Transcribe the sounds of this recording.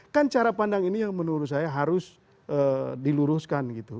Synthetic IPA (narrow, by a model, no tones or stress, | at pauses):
kant͡ʃaɾapandaŋinijaŋmənuɾʊt̪̚sajaɦaɾʊs | ʔədiluɾʊskanɡit̪u